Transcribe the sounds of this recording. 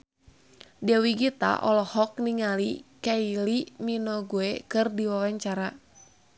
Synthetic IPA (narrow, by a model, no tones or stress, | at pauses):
dawiɡit̪a̰ʔɔlɔhɔk̚niŋalikailiminɔɡuekɨrdiwawaɲt͡ʃaɾa